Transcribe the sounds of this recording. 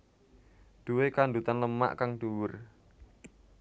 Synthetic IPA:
ɖ̪̥uwekanɳd̪ut̪anləma̰ʔkaŋɖuwʊr

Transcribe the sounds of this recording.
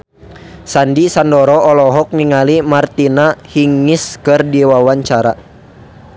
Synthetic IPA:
sandisandɔɾɔʔɔlɔɦɔk̚niŋalimart̪inahiŋːiskɨrdiwawaɲt͡ʃaɾa

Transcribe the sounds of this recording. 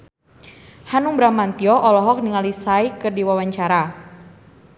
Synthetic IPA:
hanuŋbɾamant̪iɔʔɔlɔɦɔk̚niŋalisaikərdiwawaɲt͡ʃaɾa

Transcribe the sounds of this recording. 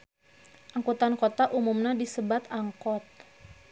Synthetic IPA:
ʔaŋkut̪ankot̪aʔumumnadisəbat̪aŋkɔt̪̚

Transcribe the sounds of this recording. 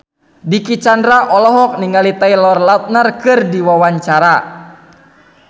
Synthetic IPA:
dikit͡ʃandɾaʔɔlɔɦɔk̚niŋɡalit̪ailɔrlat̪̚narkɨrdiwawaɲt͡ʃaɾa

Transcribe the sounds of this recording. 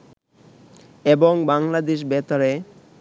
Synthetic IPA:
eboŋbaŋlad̪eʃ̬bɛt̪aɾe

